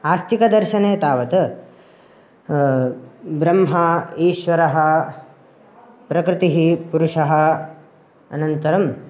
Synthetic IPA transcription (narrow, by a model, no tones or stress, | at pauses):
aːst̪ʰikɐd̪ɐɾʃɐneːt̪aːʋɐt̪ɐ | bɾɐmɦɐiːʃʋɐɾɐɦɐ | pɾɐkɾɪt̪iɦipuɾuʂɐɦɐ | ɐ̰nɐnt̪ɐɾɐm